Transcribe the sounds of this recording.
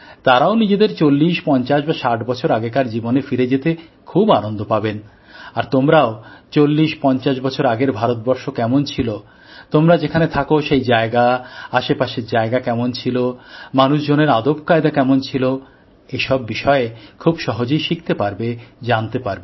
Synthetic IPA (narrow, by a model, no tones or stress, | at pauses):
t̪aɾaonid͡ʑed̪eɾt͡ɕolːiʃpɔnt͡ɕaʃbaʃaʈbɔt͡ɕʰoɾaɡekaɾd͡ʑibonefiɾed͡ʑet̪ekʰubanond̪ʱopaben | aɾt̪omɾaot͡ɕolːiʃpɔnt͡ɕaʃbɔt͡ɕʰoɾaɡeɾbʱaɾot̪̚bɔɾʃokɛmont͡ɕʰilo | t̪omɾad͡ʑekʰanet̪ʰakoʃejd͡ʑaeɡaaʃepaʃeɾd͡ʑaeɡakɛmont͡ɕʰilomanuʃd͡ʑoneɾad̪opkaed̪akɛmont͡ɕʰilo | eʃɔbːiʃɔeekʰubʃɔɦod͡ʑojʃik̚t̪epaɾbed͡ʑant̪epaɾbe